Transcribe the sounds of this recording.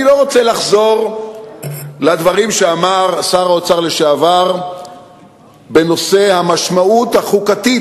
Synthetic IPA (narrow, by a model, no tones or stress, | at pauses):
ilo̞ʁot͡selaχzo̞ʁ | lad̪vaʁimʃeamaʁsaʁaot͡saʁle̞ʃeavaʁ | be̞no̞se̞hamaʃmaut̪haχukat̪i